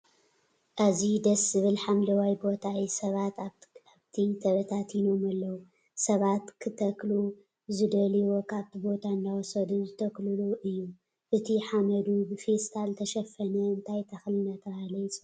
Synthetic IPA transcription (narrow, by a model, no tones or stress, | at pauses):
ʔazid̪ɐszɨβɨlħamlɐwajbo̞t̪ʰaisɐβat̪aβt̪ʰit̪ʰɐβɐt̪ʰat̪jino̞malːɐwu | sɐβat̪kʰɨt̪ʰɐklu | zɨd̪ɐliwo̞kʰaβt̪ʰibo̞t̪ʰand̪awsɐd̪uzɨt̪ʰɐklɨluʔɨjːu | ʔɨt̪ʰiħamɐd̪ubɨfest̪ʰalt̪ʰɐʃɐfɐnɐɨnt̪ʰajt̪ʰɐxlɨnat̪ʰɐβalɐjt͡sʼ